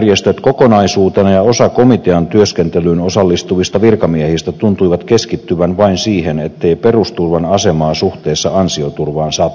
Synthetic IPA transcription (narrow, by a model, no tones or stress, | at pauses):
rjest̪øt̪kokonɑisuːt̪enɑjɑo̞sɑko̞mit̪eɑnt̪yøskent̪elyːnosɑlːist̪uʋist̪ɑʋirkɑmiehist̪æt̪unt̪uiʋɑt̪keskit̪ːyʋænʋɑinsiːhenet̪ːeiperust̪urʋɑnɑsemɑːsuht̪eːsːɑɑnsiot̪urʋɑːnsɑːpː